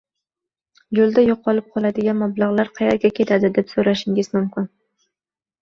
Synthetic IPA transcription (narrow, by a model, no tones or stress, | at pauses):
jolˠd̪ajoqʰːɒlˠɪp̚qʰɒlˠad̪ɪɡʲanmablɑʁlˠaɾqʰɑjaɾɡʲakʲʰe̞t̪ʰad̪ɪd̪epsoɾaʃɪŋʲɪzmʊmkʲɪn